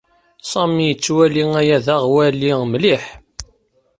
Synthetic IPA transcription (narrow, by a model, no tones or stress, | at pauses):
sˤɑmijət͡sːwæliŋæjæðaʁwælimliħ